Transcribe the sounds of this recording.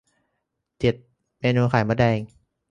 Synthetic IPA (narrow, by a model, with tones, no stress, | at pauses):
t͡ɕ̪i˨˩t̪̚ | meː˧nuː˧xʰaː˨˦jma˧dɛː˧ŋ